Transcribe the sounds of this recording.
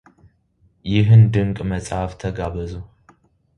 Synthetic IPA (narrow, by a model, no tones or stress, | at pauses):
jɪɦɨnd̪ɨŋkʼməsʼhaft̪ʰəɡaβəzu